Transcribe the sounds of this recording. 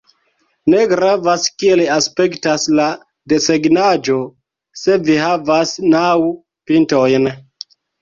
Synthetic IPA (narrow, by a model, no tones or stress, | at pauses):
ne̞ɡɾavaskielaspe̞ktasla | de̞seɡnad͡ʒo̞ | se̞viɦavasnaw | pinto̞jn